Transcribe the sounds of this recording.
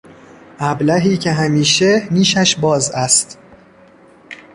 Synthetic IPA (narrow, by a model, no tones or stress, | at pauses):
ʔæblæɦiːcʰe̞ɦæmiːʃeniːʃæʃbɒːzæst̪